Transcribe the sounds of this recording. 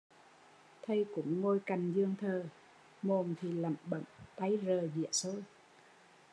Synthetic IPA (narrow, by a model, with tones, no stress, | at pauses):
t̪ʰə˧jkʊ̰˧˥ŋ͡mŋo˧jka˨˩jŋ̟zɨ˧əŋt̪ʰəː˨˩ | mo˨˩nt̪ʰi˨˩lə̰˧˩mɓə̰˧˩mt̪a˨˦jzəː˨˩zḭ˧˨əso˧j